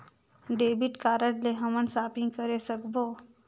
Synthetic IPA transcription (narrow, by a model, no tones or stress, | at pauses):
ɖeːbɪʈkaːɾəʈleɦɐmənsaːpɪ̃ŋkəɾesəkboː